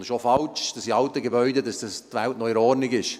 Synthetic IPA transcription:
dɪʃofɑlt͡ʃd̥ɑsiɑltəɡebœʏdədɑsd̥ɑstʋæltnɔɪɾɔɾnɪɡɪʃ

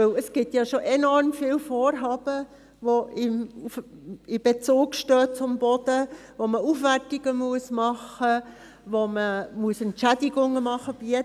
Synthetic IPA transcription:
øləsɡ̥ɪtjɑːʃoʔenɔɾmfiːlfoːɾɦɑːb̥ə | voɪmufɪb̥et͡suːkʃtøːt͡sʊmb̥ɔd̥əvoməufʋærtɪɡ̥əmuəsmɑχə | ʋoməmuəsɛntʃædɪɡʊŋəmɑχəb̥iɛ

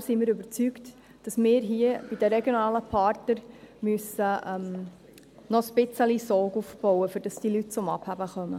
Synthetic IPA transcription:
simɪːɾɵbəɾt͡sykt | d̥ɑsmɪːɾɦiəb̥id̥əɾɛɡjonɑːləpʰɑːɾtnəɾmyəsəʔœm | nɔspɪt͡səlisɔːɡufb̥ɔwəfʏɾd̥ɑsd̥ilytt͡sʊmɑ̰b̥hæbəχœmə

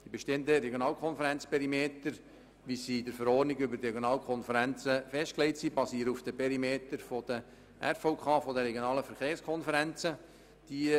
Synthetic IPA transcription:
d̪̥ibeʃteːəndəɾɛɡjonɑːlkʰɔnfəɾænt͡spʰɛɾimeːt̪əɾ | ʋisidəɾfəɾɔːrnɪɡʏbəɾdɾɛɡjonɑːlkʰɔnfəɾænt͡səfɛʃt̚klɛɪtsibɑsiːəɾəufd̥əpʰɛɾimeːtəɾfod̥ə | ʔæ̰ɾfoʊkʰɑːfodəɾɛɡjonɑːləfəɾχeːrskʰɔnfəɾænt͡sə | d̥i

